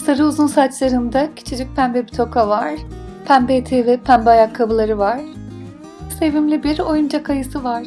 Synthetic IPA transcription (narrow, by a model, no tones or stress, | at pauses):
saɾɯuzunsat͡ʃlˠaɾɯnd̪acʰi̥t͡ʃʰid͡ʒic̚pʰænbɛbit̪ʰo̞kʰavaɾ̥pʰænbet̪ʰivɛpʰænbajakʰːabulˠaɾɯvaɾ̥ | se̞vimlʲibiɾo̞jumd͡ʒakʰajɯsɯvaɾ̥